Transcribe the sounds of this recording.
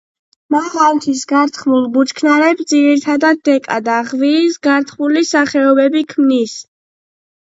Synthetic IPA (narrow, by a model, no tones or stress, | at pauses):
mavant̪ʰisɡaɾt̪ʰχmulˠbut͡ʃkʰnaɾɛpsd̪ziɾiɾt̪ʰad̪ad̪̚ːɛkʼa̰d̪aʁviːsɡaɾt̪ʰχmulisaχɛɔbɛbikʰmnis